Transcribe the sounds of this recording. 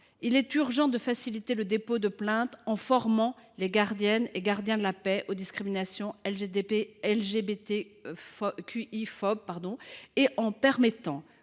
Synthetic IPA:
ilɛt̪yʁʒɑ̃d̪əfasilit̪eləd̪epod̪əplɛ̃t̪ɑ̃fɔʁmɑ̃leɡaʁd̪jɛneɡaʁd̪jɛ̃d̪əlapɛʔod̪iskχiminasjɔ̃ɛled̪eeɛlʒebet̪efkʰʲyifɔb̚paʁd̪ɔ̃eʔɑ̃pɛʁmɛt̪ɑ̃

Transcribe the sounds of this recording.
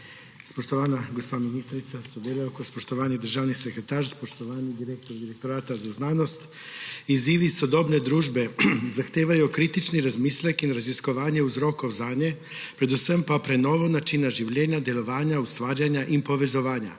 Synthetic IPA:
spoʃt̪oʋaːnaɡospaːminist̪ɾit̪sasod̪eleokospoʃt̪oʋaːnid̪ər̩ʒaːʋnisekɾet̪aːɾspoʃt̪oʋaːnid̪iɾek̚t̪oɾd̪iɾek̚t̪oɾaːt̪azaznaːnost̪ | iziːʋisod̪obned̪ɾuːʒbe̞zaxt̪eʋajukɾit̪it͡ʃniɾazmiːslekinɾaziskoʋaːɲeuzɾokozaːɲe | pɾed̪usəmpapɾenoʋonat͡ʃinaʒiwʎeːɲad̪jeloʋaːɲaust̪ʋaːɾjaɲaʔimpoʋe̞zoʋaːɲa̰

